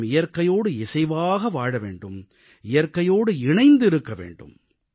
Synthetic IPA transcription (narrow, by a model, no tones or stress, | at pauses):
mɪjɐɾkɐjoːɽɯɪsɐɪʋaːɣɐʋaːɻɐʋḛːɳɖɯm | ɪjɐɾkɐjoːɽɯɪɳɐɪnd̪ɪɾɯkːɐʋḛːɳɖɯ̰m